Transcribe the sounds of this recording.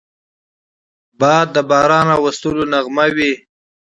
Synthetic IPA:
bɑːd̪̚ːəbɑːɾɑnawast̪ulonaɣmawi

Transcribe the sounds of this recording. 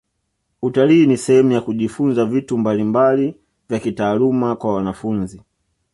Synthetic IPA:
utaliːnisɛhɛmujakuʄifunzavitumbalimbali | vjakitaːlumakwawanafunzi

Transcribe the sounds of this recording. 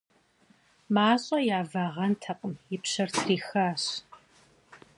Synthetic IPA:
maːɕʼɐjaːvɐʁɐntʰɐqʼəmjɪpɕɐrtʰriːxaːɕ

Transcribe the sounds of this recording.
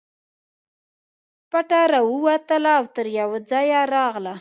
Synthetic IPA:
paʈaɾɑwəwat̪əlaːwt̪əɾjawad͡zɑjaɾɑɣla

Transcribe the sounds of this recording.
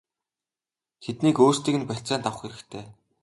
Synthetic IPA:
t̪ʰet̪niːkoːst̪iːkɘ̆npæɬʲt͡sæːnt̪awə̆χxeɾɘ̆kt̪ʰeː

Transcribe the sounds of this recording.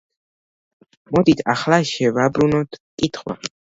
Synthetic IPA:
mɔd̪it̪ʰaχlaʃɛvabɾunɔt̪kʼit̪ʰχwa̰

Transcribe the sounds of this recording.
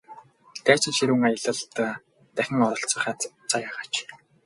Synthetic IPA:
t̪ʰæːt͡ɕɪ̆nʃiɾŭŋajə̆ɮə̆ɮt̪ | t̪æxʲɪ̆ŋɔɾɞ̆ɬt͡sə̆χæːt͡sʰajaːʁaːt͡ɕ

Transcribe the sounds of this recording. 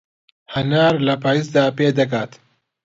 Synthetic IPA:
hɐnaːɾlɐpaːjiːsd̪aːpeːd̪ɐkaːt̪

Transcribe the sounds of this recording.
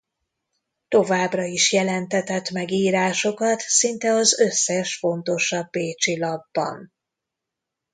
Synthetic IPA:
t̪o̞vaːbrɒiʃjɛlɛnt̪ɛt̪ɛt̪mɛɡiːɾaːʃo̞kɒt̪sint̪ɛɒzø̞sːɛʃfo̞nt̪o̞ʃɒbːeːt͡ʃilɒbːɒ̰n

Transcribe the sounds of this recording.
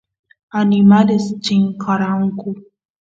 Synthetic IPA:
ʔanimadɐst͡ʃɪŋkaɾaŋko

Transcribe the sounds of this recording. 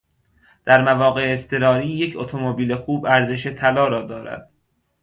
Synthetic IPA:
d̪̥æɾmævɒːɣe̞eːst̪ʰe̞ɾɒːɾiːjecʰot̪ʰo̞mobiːle̞xuːbæɾze̞ʃe̞t̪ʰælɒːɾɒːd̪ɒːɾæ̰d̪̥

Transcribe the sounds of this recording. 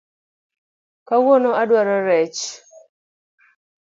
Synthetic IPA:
kawonɔadwaɾɔɾɛt͡ʃ

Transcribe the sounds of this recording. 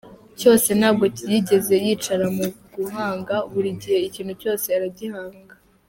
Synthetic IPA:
co̞ːse̞naːbɡo̞cijiɟe̞ze̞jiːt͡ʃaɾamuɡuɦaːŋɡaβuɾiɟihe̞iciːnhuco̞ːse̞aɾaɟihaːŋɡa

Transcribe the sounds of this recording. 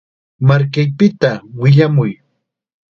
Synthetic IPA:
maɾkajpɪt̪awɪʎamʊj

